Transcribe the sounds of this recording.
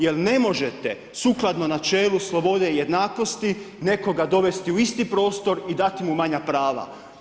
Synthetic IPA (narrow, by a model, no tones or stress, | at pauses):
je̞lne̞mo̞ʒe̞t̪e | suklˠad̪nonat͡ʃe̞ːluslˠo̞bo̞d̪eje̞d̪naːko̞st̪i | ne̞ko̞ɡad̪o̞ʋe̞st̪iuist̪ipɾo̞ːst̪o̞ɾid̪at̪imumaɲapɾaːʋa̰